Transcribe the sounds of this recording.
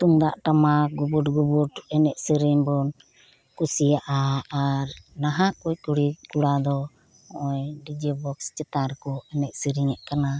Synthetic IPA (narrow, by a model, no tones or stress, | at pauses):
t̪uŋd̪aʔʈamaɡubuʈɡubuʈɛnɛʔsəɾiɲbɔn | kusijaʔaːɾnaɦaʔkujkuɽikuɽad̪ɔ | ɔʔɔjɖid͡ʒəbɔkst͡ʃɛt̪aɾɛkɔɛnɛʔsəɾiɲɛʔkana